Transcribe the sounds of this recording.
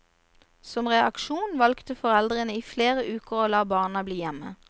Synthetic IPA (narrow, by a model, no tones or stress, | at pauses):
sɔmʁɛɑ̰kʃuːnʋɑlkt̪əfɔʁɛld̪ʁənəiːfleːʁəʔʉːkəʁoːlɑːbɑːʁnɑbliːjɛmə̰